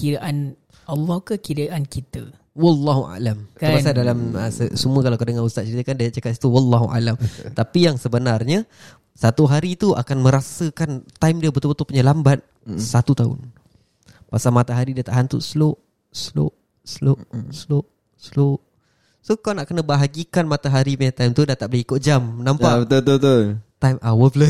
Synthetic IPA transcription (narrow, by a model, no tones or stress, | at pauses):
kiɾaʔan | alːɔhkəkiɾaʔankit̪ə | wɑlːɑɦuʔa̰lamkəɾasadalaməsəsumuəkalakədəŋanust̪at̪̚t͡ʃəɾit̪əkandajaʔ̚t͡ʃakat̪si̥t̪uwalːɑɦuʔa̰lamt̪apijaŋsəbənarɲə | sat̪uɦaɾit̪uʔa̰kanmə̃ɾasəkant̪ajmdiəbət̪ulbət̪upuʔɲalambat̪̚ | sat̪ut̪aʊ̰n | pasalmat̪aɦaɾidiət̪a̰ʔɦant̪ṵʔsloʔ | slo̰ʔ | slosloʔ | sloʔ | sokanaʔkənəbəɦaɡikanmat̪aɦaɾipaɲat̪ajmt̪udat̪aʔbəlehikʊʔ̪̚d͡ʒamnãmpat̪ot̪ot̪ot̪ajmawəflə